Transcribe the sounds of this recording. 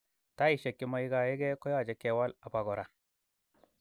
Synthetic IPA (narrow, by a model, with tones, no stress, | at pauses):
ta˦i˨ʃe˨kːi˦ma˦i˦ɡa˨je˦ɡe˦ko˦ja˦˨d͡ʒe˨ke˨wa˦la˨pa˨ɡɔ˨ɾa˨